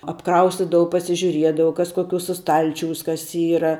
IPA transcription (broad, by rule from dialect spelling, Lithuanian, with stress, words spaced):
ɐpˈkrɐʊsʲtʲɪdɐʋɐʊ pɐsʲɪʒʲʊˈrʲiɛdɐʋɐʊ ˈkɐs koːˈkʲuːsɐ ˈstɐlʲt͡ʃʲuːs ˈkɐs ˈiːrɐ